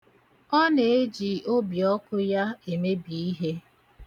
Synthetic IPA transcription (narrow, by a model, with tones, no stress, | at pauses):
ɔ˦ne˨e˦d͡ʒi˨o˦bjɔ˦kʊ˦ja˦e˨me˦bi˨i˦ɦe˦